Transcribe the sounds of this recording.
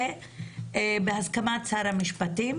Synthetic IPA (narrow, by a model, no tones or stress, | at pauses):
e | behazkamat͡saɾhamiʃpatim